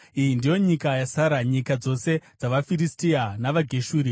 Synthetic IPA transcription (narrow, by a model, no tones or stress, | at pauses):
ijindijo̞ɲikajasaɾaɲikad͡zo̞se̞d͡zaʋafiɾistianaʋaɡʱeʃuːɾi